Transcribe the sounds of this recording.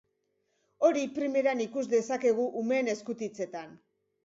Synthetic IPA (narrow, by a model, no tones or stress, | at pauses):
o̞ɾipɾime̞ɾanikuzd̪e̞sake̞ɣ̞uʔume̞ːne̞skut̪it͡se̞t̪an